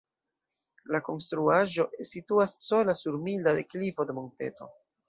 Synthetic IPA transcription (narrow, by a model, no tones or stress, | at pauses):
lako̞nstɾuaʒo̞situasːolasuɾmildadeklifo̞de̞monte̞̰to̞̰